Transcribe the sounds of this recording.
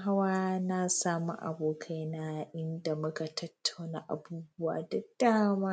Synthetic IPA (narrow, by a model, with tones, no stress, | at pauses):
ɦa˦waː˦na˦saː˦mṵ˦ʔa̰˨boː˨kʰa˦jna˦ʔɪ˦nda˨mʊ˦ka˨tɐ˦tʰːa˨wna̰˨ʔa̰˨buː˦bʊ˦wa̰ː˨dɐ˨d̥aː˦maː˦